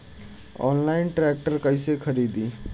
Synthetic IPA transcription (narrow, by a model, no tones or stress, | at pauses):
ɔ̰ːnlaɪnʈɾek̚ʈəɾkəɪsekʰəɾiːd̪iː